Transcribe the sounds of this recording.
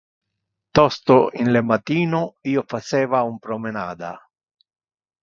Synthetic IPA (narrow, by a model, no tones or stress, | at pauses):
t̪ɔst̪oinlemat̪iːnoiːofat͡ʃɛːvaumpɾomena̰ːd̪a̰